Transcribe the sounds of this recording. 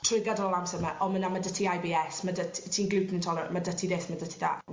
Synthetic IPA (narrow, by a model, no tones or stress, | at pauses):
tʰrɪɡadɔlɔlˠamsəmaʔɔmənamadətʰiajbiːɛsmadətʰitʰiːnɡlɪwpʰnntʰɔlɔrmadətʰiðeːθmadətʰiða̰ː